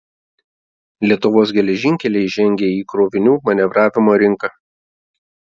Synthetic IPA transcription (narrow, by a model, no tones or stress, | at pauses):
lʲiɛt̪ʊʋoːsɡʲɛlʲɛʒʲɪŋʲkʲɛlʲɛɪʒʲɛŋʲɡʲeːiːkɾoːʋʲɪnʲuːmɐnʲɛʋɾɑːʋʲɪmoːɾʲɪŋkɐ